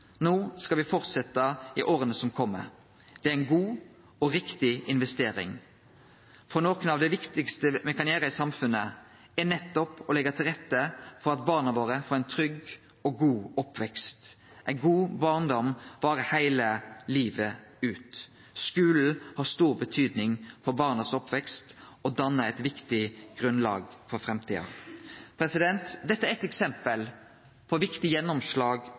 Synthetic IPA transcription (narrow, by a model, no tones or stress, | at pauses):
noːskɑʋɪfɔʁt̪sɛt̪ːəɪʔoːɾənəsɔmkʰɔmːə̰ | d̪̥ɛæɪnɡuː | ɔɾɪkt̪ɪɪnʋɛst̪eːɾɪ̰ŋ | fɔnoːkənɑʋd̪ɛʋɪkt̪ɪkst̪əmɛkɑneːʁəsɑmfʉnə | ænɛt̪ːɔpɔlɛɡət̪ʰɪlʁɛt̪ːəfɔɾɑt̪bɑːʁnɑʋoːɾəfoːɾæɪnt̪ʰɾʏɡ | ɔɡuːɔpʰʋɛkst̪ | ʔæɪɡuːbɑːʁnd̪ɔmʋɑːɾəhæɪləliːʋə | ʉːt̪ | skʉːl̩hɑːst̪uːʁbət̪ʰyːd̪nɪŋfɔɾbɑːʁnɑsɔpʋɛkst̪ɔd̪ɑnːəæɪt̪ʋɪkt̪ɪɡ̥ʁɾʉnlɑ̰ːɡfɔɾfɾɛmt̪ʰḭːɑ̰pʰɾɛsɪd̪ɛnt̪d̪ɛt̪ːəæɾɛt̪ɛksɛmpəl | pʰɔʋɪkt̪ɪjɛnːɔmslɑːɡ